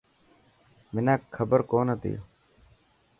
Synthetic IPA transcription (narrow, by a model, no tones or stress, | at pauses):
mɪnaːkkʰːəbəɾkoːnət̪ḭjo̰